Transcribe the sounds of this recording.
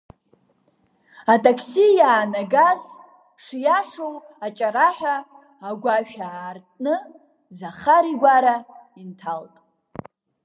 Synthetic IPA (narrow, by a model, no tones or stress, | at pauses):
atʰʼakʰsijaːnaɡaz | ʂjaʂow | at͡ʃʼaɾaħᶣaː | ɡʷaʒᶣaːrtʼnɨ | zaχaɾiɡʷaɾaintʰaltʼ